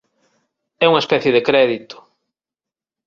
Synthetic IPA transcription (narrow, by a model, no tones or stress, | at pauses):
ɛuŋɐespɛθjeðekɾɛðit̪ʊ̥